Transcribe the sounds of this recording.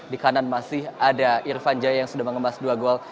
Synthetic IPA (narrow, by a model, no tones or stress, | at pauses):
dikananmasɪhadaʔirfand͡ʒajajaŋsudahməŋəmasduaɡoal